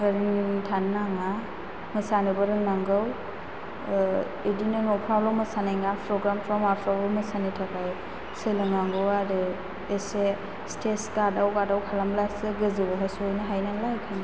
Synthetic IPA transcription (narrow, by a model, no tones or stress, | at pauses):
ɡɯɾntʰanːaŋa | mɯsanɯbɯɾɯŋnaŋɡɯw | edinɯnɔpʰɾawlɔmɯsanajŋɡapʰɾɔɡɾampʰɾɔmapʰɾawlɔmɯsanitʰakaj | selɯŋaŋɡɯwaɾɯ | ese | stʰesɡadawɡadawkʰalamlasɯɡɯzɯwaɦasɔjnɯɦajnaŋlajkʰan